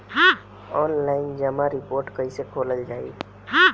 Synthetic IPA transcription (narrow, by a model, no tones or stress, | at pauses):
ɦã | ɔːnlaːɪnd͡ʒəmãɾɪpoːɾʈkəisekʰoːləld͡ʒaːḭ | ɦã